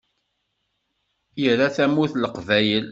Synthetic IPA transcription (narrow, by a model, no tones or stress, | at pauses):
jəɾæθæmuθləqvæjəl